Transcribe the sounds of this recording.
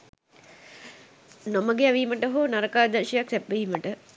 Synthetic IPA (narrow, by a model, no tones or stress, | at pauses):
noməɡeɛʋiːməʈəɦoːnaɾəkaːd̪anʃijaksæpːiiməʈə